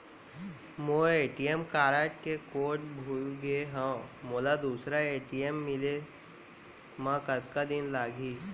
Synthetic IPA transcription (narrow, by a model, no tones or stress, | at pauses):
moːeːʈijemkaːɾaːʈkekoːʈ̚bʱulɡeɦãmoːlad̪uːsɾaeːʈijemːɪle | mãkɐt̪kad̪ɪnlaːɡʱiː